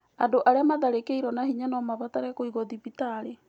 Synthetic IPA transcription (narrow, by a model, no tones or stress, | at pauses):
adoʔaɾeamaðaɾekeiɾɔnahiɲanɔmaβataɾɛkoiɣɔðipitaɾe